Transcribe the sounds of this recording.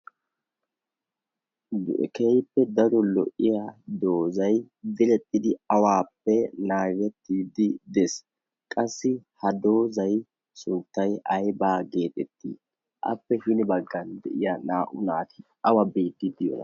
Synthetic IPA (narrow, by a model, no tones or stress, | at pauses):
d̪ʊʔɛkɛjpːɛd̪ɐɾɔlɔ̰ʔːɪjad̪oːzɐj | d̪ɪlɛt̪ʼːɪd̪ɪɐwaːpːɛnaːɡɛt̪ːiːd̪ɪd̪ɛs | kʼɐsːɪhɐd̪oːzɐj | sʊnt̪ːɐjʔɐjbaːɡe̞ːt̪ʼɛt̪ːḭː | ʔɐ̰pːɛʃɪnɪbɐɡːɐnd̪ɛʔɪjanaːʔʊnaːt̪ɪ | ɐwɐbiːd̪ːɪd̪ɪjɔ̰nɐ̰